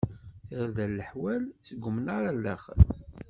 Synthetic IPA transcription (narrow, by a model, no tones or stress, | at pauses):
θəɾðælːəħwælθəɡʷːəmnaɾalːə̰χəl